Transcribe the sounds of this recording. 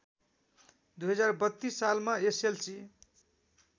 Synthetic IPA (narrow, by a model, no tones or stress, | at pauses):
d̪ujɦʌd͡zarbʌt̪ːisːalmaeselsi